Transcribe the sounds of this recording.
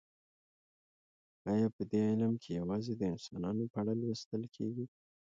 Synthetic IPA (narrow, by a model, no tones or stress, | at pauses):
ɑjɑpəd̪eɪləmkʰejawɑzed̪əɪnsɑnɑnopəaɽalwist̪əlkʰḛɡi